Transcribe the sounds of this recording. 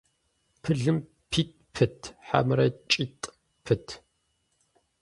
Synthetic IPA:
pʰɨɮɨm | pʰiːt̚ʰ | pʰɨtʰħa̰ːmɨɾɐt͡ʃʼiːtʼ | pʰɨtʰ

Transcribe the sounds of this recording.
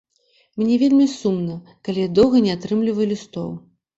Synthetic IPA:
mnʲɛvʲelʲmʲisumnɐ | kalʲid̪ɔwɣɐnʲɛat̪ɾɨmlʲivɐlʲist̪ɔ̰w

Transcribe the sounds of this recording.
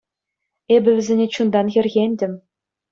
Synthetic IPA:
ebʲɘ̆ʋɘ̆zʲenʲet͡ɕund̪ɑnɣʲɘ̆rʲɣʲenʲdʲɘ̆mʲ

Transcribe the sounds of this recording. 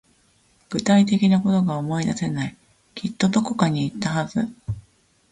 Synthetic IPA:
ɡ̥ɯ̟t̪ait̪̬e̞kʲinako̞t̪o̞ɡaomo̞id̪ase̞nai | kʲit̪ːo̞d̪o̞ko̞kaɲ̟iːt̪ːaɦazɨ

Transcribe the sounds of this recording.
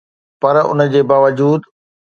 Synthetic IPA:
pɐɾʊ̰nə̆d͡ʑeːbaːʋəd͡ʑuːd̪

